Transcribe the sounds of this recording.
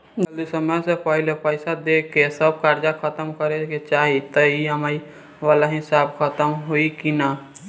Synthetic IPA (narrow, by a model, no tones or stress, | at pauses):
d͡ʒəld̪isəməjsepəɦɪlepəɪsad̪eːkʰːesəb̚kaɾd͡ʒakʰət̪əmkəɾeket͡ʃaːɦit̪əiɦəmaːi | ʋaːlaɦɪsaːbkʰət̪əmɦoikina